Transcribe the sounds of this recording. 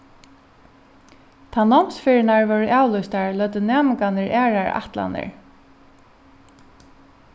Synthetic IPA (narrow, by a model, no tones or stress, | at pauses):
t̪ʰaːnɔmsfɪɹɪnaɹvœɹʔaːwlʊjst̪aɹlœːt̪ənaːmɪkanəɹʔæːɹaɹa̰ht̪la̰nə̰ɹ